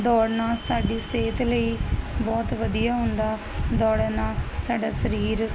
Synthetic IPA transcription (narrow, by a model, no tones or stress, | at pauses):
d̪ɔːɽnãːsaːɖiːseːt̪ləiːbɔːt̪ʋəd̪ijaːɦʊ̃ːnd̪aː | d̪ɔːɽnãːsaːɖaːsəɾiːɾ